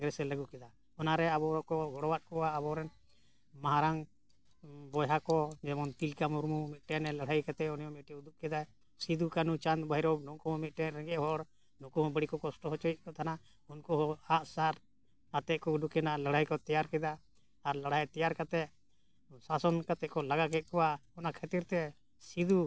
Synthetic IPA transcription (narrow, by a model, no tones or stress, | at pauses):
ɡɾɛsɛləɡukɛd̪a | ɔnaɾɛabɔɾɔkɔɡʱɔɽɔwat̪̚kɔaːbɔɾɛn | maɦaɾaŋ | bɔjɦakɔd͡ʒɛmɔnt̪ilkamuɾmumit̪̚ʈɛnɛləɽ̤ajkat̪ɛunjɔmit̪̚ʈiud̪up̚kɛd̪a | sid̪ukanut͡ʃand̪bajɾɔbnɔkɔmɔmit̪̚ˀʈɛnɾɛɡɛʔɦɔɽ | nɔkɔmɔbəɽikɔkɔsʈɔɦɔt͡ʃɔjt̪̚kɔt̪ʰana | unkɔɔaʔsaɾ | at̪ɛkɔud̪ukɛnalaɽ̤ajkɔt̪ɛjaɾkɛd̪aː | ɾlaɽ̤ajt̪ɛjaɾkat̪ɛ | sasɔnkat̪ɛʔkɔlaɡakɛt̪̚kɔwaɔnakʰət̪iɾt̪ɛ | sid̪u